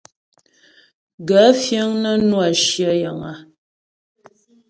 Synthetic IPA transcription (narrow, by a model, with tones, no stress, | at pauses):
ɡə˨˦fjə˦ŋnə˦nwa˨ʃjə˦jə˨ŋa˨